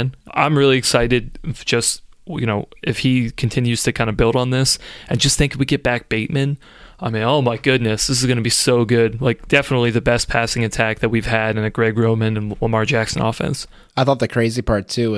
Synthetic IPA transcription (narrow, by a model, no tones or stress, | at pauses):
nã̰ɪ̃mɹɪlˠiɨksaɪɾɨd̥̚ʒ̥ʌst | jɨñoʊɨfhikʰn̩tʰɪ̃njʉz̥tʰɨkʰãɪ̃ndɨbɪlˠɾn̩ðɪsɨ̃nd͡ʒʌst̪θɪ̃ŋkɨfwiɡɛt̚b̥æk̚b̥eɪt̚mɨ̃n | ãɪ̃mẽoʊmaɪɡʊdⁿnɨsðɪs̬ɨzɡʌnɨbisoʊɡʊd̥̚laɪk̚d̥ɛfənətˡliðɨbɛspʰæsɪ̃ŋɨtʰæk̚ðɨt̚wiv̥ɨɾɨ̃nɨɡ̥ɹɛɡɹõʊmɨ̃nɨ̃nwʌmɑɹd͡ʒæksɨ̃n̩ɔ̰fɛ̰̃ns | aɪθɔt̪̚ðɨkʰɹ̥eɪzipʰɑɹtʰʉ